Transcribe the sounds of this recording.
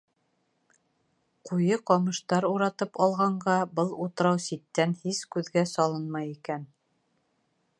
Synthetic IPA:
qujɤqɑmɤ̆ʃt̪ɑɾuɾɑt̪ɤpɑlˠʁɑɴɢɑbɤlˠut̪ɤ̆ɾɑwsit̪ːænhiskʉðɡæsɑlˠɤnmɑjikæn

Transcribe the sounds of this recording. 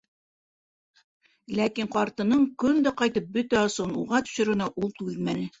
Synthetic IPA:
lækiɴqɑɾt̪ɤ̆nɤɴkɵnd̪æqɑjt̪ɤp̚bɵt̪æɑsonṵʁɑt̪ɵ̥̆ʃɘ̆ɾɡɘ̆nɑʔulˠt̪ʉðmænɘ

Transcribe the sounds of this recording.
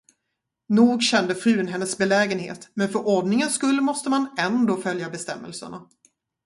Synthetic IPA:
nuːɡɕɛnd̪əfɾʉ̟ːənɦɛnːəsbɛlɛːɡənhḛːt̪mɛnfœɾʔɔɖnɪŋənskɵlːmɔst̪əmanɛnd̪oːfœljabɛst̪ɛmːə̰lsə̰ɳa

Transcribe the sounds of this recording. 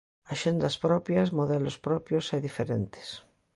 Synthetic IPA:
aʃend̪aspɾɔpjazmoðelospɾɔpjosajðifeɾḛnt̪e̥s

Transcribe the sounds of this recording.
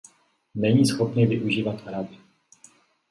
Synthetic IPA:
nɛɲiːsxopnɪvɪʔuʒiːvat̪ɾabɪ

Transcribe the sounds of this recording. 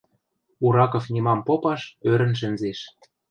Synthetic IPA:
uɾɑkŏfnʲimɑmpopɑʃøɾə̆nʃ̬ɘ̆nzeʃ

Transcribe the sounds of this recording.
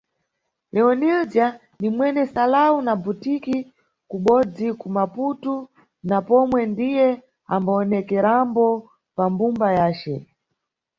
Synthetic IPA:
lɛɔnild͡ʒia | nimwɛnɛsalaunabutiki | kuɓɔd͡zikumaputu | napɔmwɛndijɛ | ambaːnɛkɛɾambɔ | pambumbajaːt͡ʃɛ

